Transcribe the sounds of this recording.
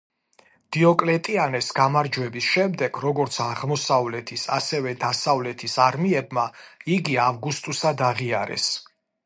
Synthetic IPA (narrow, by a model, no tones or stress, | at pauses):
d̪̥iɔkʼlɛt̪ʼianɛsɡ̥amaɾd͡ʒwɛbisʃɛmd̪ɛɡɾɔɡɔɾt̪sʰaʁmɔsavlɛt̪ʰisa̰sɛvɛd̪asavlɛt̪ʰisaɾmiɛbmaiɡiavɡust̪ʼusad̪aʁiaɾɛ̰s